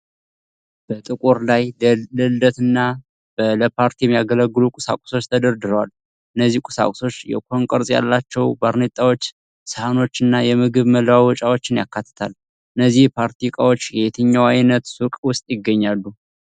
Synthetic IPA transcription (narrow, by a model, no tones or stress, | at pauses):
b̥ət̪ʼɨkʼuɾlajləld̪ət̪ɨnːa | b̥ələpʰaɾt̪ʰijɛmːjaɡələɡːɨlukʼʊsa̰kʷʼʊ̥so̞t͡ʃːt̪ʰəd̪əɾd̪ɨɾəwal | ʔɨnːəzːihkʼʊ̥sa̰kʼso̞t͡ʃːjɛ̰kʰo̞ŋkʼəɾsʼja̰lːat͡ʃːɛwbaɾnet̪ʼːawo̞t͡ʃː | səhano̞t͡ʃːɨnːajɛmɨɡɨβmələwawɔt͡ʃʼawot͡ʃːɪnjakːat̪ʰːə̥t̪ʰal | ʔɨnːəzːihpʰaɾt̪ʰikʼawo̞t͡ʃːjɛjet̪ʰɨɲːawajnət̪sukʼwʊst̪ʼjɪɡːəɲːalːu